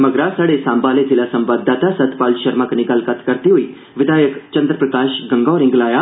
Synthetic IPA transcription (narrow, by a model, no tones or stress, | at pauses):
mɐɡɾasaːɽesãːmbaːled͡zɪlasɐmbaːd̪ːaːt̪asɐt̪paːlʃɐɾmaːkniɡɐlkət̪ʰkɐɾd̪iɦoiː | ʋɪd̪aːjəkt͡ʃɐ̃nd̪ɾəpɾəkaːʃɡɐ̃ŋɡɔːɾɪ̃ŋɡlaːjaː